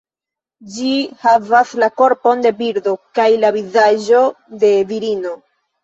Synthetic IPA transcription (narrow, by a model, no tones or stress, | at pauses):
d͡ʒihavaslako̞ɾpo̞nde̞biɾdo̞kajlavizaʒo̞ | de̞viɾino̞